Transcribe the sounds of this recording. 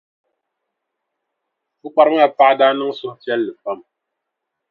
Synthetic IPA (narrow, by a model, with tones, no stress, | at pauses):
fu˦k͡pa˦ɾŋa˦˨pa˦ʔda˦nɨ˦ŋsu˦mfjɛ˦lːə˨fa˦˨m